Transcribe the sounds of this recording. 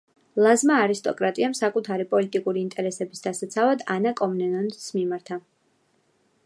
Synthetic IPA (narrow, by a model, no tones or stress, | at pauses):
lˠazmaːɾist̪ʼɔkʼɾat̪ʼiamsakʼut̪ʰaɾipʼɔlit̪ʼikʼuɾiːnt̪ʼɛɾɛsɛbisd̪asat̪sʰavad̪anakʼɔmnɛnɔnsmimaɾt̪ʰa